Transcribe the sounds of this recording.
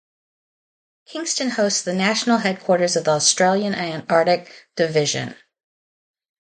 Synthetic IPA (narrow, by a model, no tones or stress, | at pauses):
kʰɪ̃ŋstɨ̃nhoʊstsðɨnæʃn̩l̩ˠɦɛd̚kʰw̥ɔɹɾə˞zʌvðiɔstɹ̥eɪlˠjɨ̃nʔɨ̃nɑɹɾɨk̚d̥ɨvɪʒɨ̰̃n